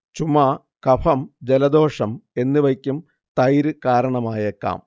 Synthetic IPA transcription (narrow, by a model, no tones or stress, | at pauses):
t͡ɕumaː | kɐpʰɐmd͡ʑelɐd̪ʱo̞ːʂɐme̞nːɨʋɐkʲːum | t̪ɐjɾɨkaːɾɐɳɐmaːjekːa̰ːm